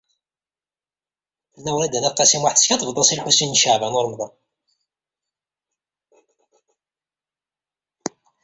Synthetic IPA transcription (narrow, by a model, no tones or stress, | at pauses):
θəlːæwɾæd̪ænæqːæsimwaħθəskɑt̪ˤvd̪ˤɑsilħusinːʃəʕvænoɾˤmðˤɑn